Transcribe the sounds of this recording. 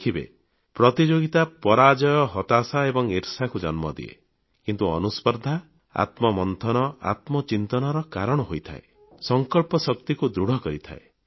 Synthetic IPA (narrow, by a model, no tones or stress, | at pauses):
kʰibḛ | pɾɔt̪id͡ʒoɡit̪apɔɾad͡ʒɔjɔɦɔt̪asaebɔŋiɾsakud͡ʒɔnmɔ̰d̪ḭḛ | kint̪uɔ̰nuspɔɾd̪ʱa | a̰t̪mɔmɔnt̪ʰɔnɔa̰t̪mɔt͡ʃint̪ɔnɔɾɔkaɾɔɽ̃ɔɦojt̪ʰa̰e | sɔŋkɔɭpɔsɔk̚t̪ikud̪ɾuɽ̤ɔkɔɾit̪ʰa̰e